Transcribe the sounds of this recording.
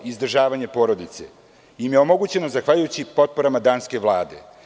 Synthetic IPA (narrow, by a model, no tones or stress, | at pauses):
izd̪r̩ʒaːʋaɲepo̞ːɾo̞d̪it̪sḛ | jimjeo̞mo̞ɡut͡ɕe̞no̞zaxʋaʎujut͡ɕipo̞t̪̚po̞ɾamad̪aːnske̞ʋlˠaːd̪e̞̰